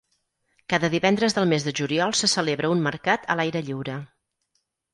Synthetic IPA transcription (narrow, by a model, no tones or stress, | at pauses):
kaðəðiβɛnd̪ɾəzðəlˠmezðəʒuliɔlˠsəsəleβɾəunməɾkat̪ʰə̰lajɾəʎiwɾə